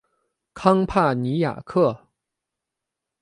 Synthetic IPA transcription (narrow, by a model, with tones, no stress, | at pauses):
kʰɑ˥ŋpʰa˥˩ni˧˥ja̰˨˩kʰɤ˥˩